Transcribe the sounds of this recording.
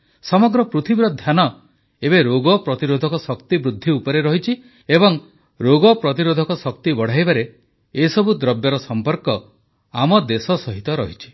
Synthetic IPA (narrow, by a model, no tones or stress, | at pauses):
sɔmɔɡɾɔpɾut̪ʰibiɾɔd̪ʱjanɔ | ebeɾoɡɔpɾɔt̪iɾod̪ʱɔkɔsɔkt̪ibɾud̪ʱːiupɔɾeɾɔɦit͡ʃʰi | ebɔŋ | ɾoɡɔpɾɔt̪̬iɾod̪ʱɔkɔsɔk̚t̪ibɔɽ̤ajbaɾe | esɔbʱud̪ɾɔbjɔɾɔsɔmpɔɾkɔ | amɔd̪esɔsɔɦit̪ɔɾɔɦit͡ʃʰi̥